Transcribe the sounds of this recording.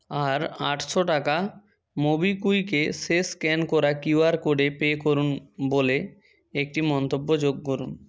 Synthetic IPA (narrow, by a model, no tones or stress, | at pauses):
aɾaʈʰʃoʈaka | mobikujkeʃeskɛnkɔɾakiwaɾkoɽepeːkoɾunbole | ek̚ʈimɔnt̪obːod͡ʑoɡːoɾun